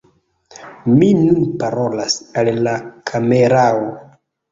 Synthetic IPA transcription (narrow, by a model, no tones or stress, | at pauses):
minunpaɾo̞lasalːakʰame̞ɾao